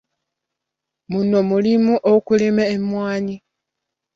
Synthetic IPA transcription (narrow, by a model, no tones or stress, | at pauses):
munomulimuʔokulimeːmwaːɲi